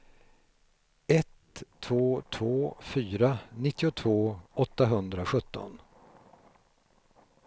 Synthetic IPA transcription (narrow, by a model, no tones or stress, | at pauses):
ɛt̪ʰː | voːt̪ʰvoːfyːɾanɪt̪ːɪʊt̪ʰvoːɔt̪ːaɦɵnd̪ɾaɧɵt̪ːɔ̰n